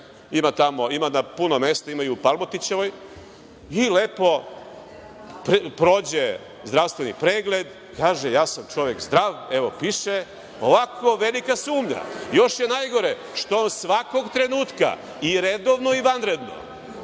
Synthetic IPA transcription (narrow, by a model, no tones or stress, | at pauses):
imat̪amoimanapunome̞st̪aimajuupalˠmot̪it͡ɕeʋo̞j | ilepo̞ | ppɾoːd͡ʑe | zd̪ɾaʋst̪ʋenḭpɾe̞ːɡle̞d̪ | kaːʒejaːsamt͡ʃo̞ʋekzd̪ɾaːʋeʋo̞piʃe | oʋakʰo̞ʋelikasuːmɲa̰jo̞ʃjenajɡo̞ɾe | ʃt̪oonsʋako̞ɡt̪ɾe̞nuːt̪ka̰ | iɾed̪oʋnoiʋanɾe̞d̪no̰